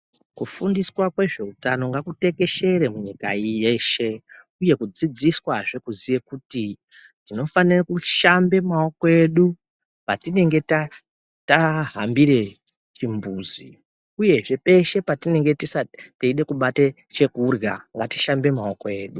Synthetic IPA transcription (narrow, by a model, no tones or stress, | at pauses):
kufundiswakwe̞ʐe̞utano̞ŋɡakute̞ke̞ʃe̞ɾemuɲika̰ijeʃe̞ | uje̞kud͡zid͡ziswaʐe̞kuziʋe̞kuti | tino̞fanirakuʃambe̞maokoe̞ɗu | patine̞ŋɡe̞ta | taɦambiɾe̞ | t͡ʃimbuːzḭ | uje̞ʐe̞pe̞ʃe̞patine̞ŋɡe̞tisateiɗe̞kuɓate | t͡ʃe̞kurɡa̰ŋɡati̥ʃambe̞mao̞ko̞e̞ːɗu